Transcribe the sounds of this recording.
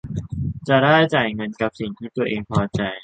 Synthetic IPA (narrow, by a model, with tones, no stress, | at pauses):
t͡ɕa˨˩daː˥˩jt͡ɕa˨˩jŋɤ˧nka˨˩p̚si˨˩ŋt̪ʰiː˥˩t̪u˧ɐʔeː˧ŋpʰɔː˧t͡ɕa˧j